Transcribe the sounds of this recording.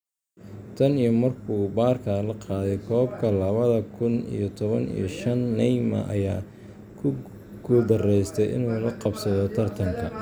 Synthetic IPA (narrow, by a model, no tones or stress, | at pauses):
t̪ʰɐnijɔmɐrkʰuːbaːrkʰalɐqɑːðɛjkʰɔːb̚kʰɐlɐβɐðɐkʰʊnḭjɔt̪ʰɔβɐnḭjɔʃɐnːɛjmɐ̰ʔɐ̰jaː | kʰʊ | ɡ̥ʊd̪ɐrɛjst̪ʰɛjʔɪ̰nuːlɐqɑbsɐðɔt̪ʰɐrt̪ʰɐŋkʰɐ